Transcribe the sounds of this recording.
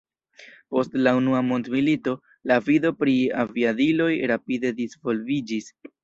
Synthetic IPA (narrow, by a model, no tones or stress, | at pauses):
po̞stlaunuamo̞ndmilito̞ | lavido̞pɾiaviadilo̞jɾapide̞disvo̞lvid͡ʒis